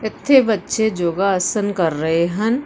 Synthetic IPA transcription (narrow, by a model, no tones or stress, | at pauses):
ɪt̪ʰːebɐtːʃed͡ʒoːɡaɐsənkɐɾːɐɦeɦɐn